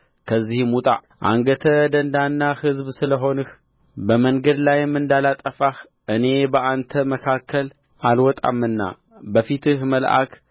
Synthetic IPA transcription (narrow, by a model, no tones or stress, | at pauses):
kʰəzːihmut̪ʼa̰ʔ | ʔa̰ŋɡət̪ʰəd̪ɐnd̪anːahɨzβsɨləɦo̞nɨx | bəməŋɡəd̪lajɛmːɨnd̪alat̪ʼəfax | ʔɨne̞bəʔant̪ʰəməkʰakʰːəl | ʔalwɔt̪ʼa̰mːɨnːa̰ | bəfit̪ʰɨhməlʔa̰k